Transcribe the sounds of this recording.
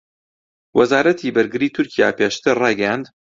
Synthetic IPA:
wɐzaːɾɐt̪ʰiːbɨɾɡɨɾiːt̪ʰʊɾkʰija̰ːpeːʃt̪ɨɾrɑːjɡɛjand̪

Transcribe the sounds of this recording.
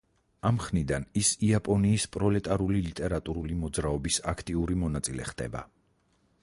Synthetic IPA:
amχnid̪anisiapʼɔniːspʼɾɔlɛt̪ʼaɾulilit̪ʼɛɾat̪ʼuɾulimɔd̪zɾaɔbisakʰt̪ʼiuɾimɔnat̪sʼilɛ̰χd̪̥ɛ̰ba̰

